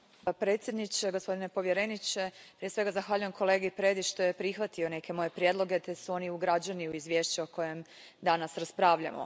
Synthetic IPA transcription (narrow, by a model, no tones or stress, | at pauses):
pɾe̞t̪sjed̪nit͡ɕeɡospo̞d̪inepo̞ʋje̞ɾe̞nit͡ɕe̞pɾijesʋe̞ɡazaxʋaːʎuje̞mkʰo̞le̞ːɡeipɾe̞ːd̪iʃt̪o̞je̞pɾixʋat̪io̞ne̞ke̞mo̞je̞pɾije̞d̪lo̞ɡe̞t̪e̞suo̞niuɡɾad͡ʑaniuizʋje̞ːʃt͡ɕeoko̞je̞m | d̪anasɾaspɾaːʋʎa̰mo̰